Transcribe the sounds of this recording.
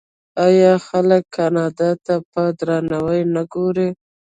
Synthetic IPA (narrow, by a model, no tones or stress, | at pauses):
ɑjɑxaləkːʰɑnɑd̪at̪apəd̪ɾɑnawəjnaɡoɾe